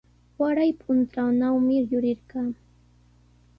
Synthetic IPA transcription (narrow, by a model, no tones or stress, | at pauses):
waɾajpʰʊnt̪ɾawnawmɪjʊɾɪɾɢɑː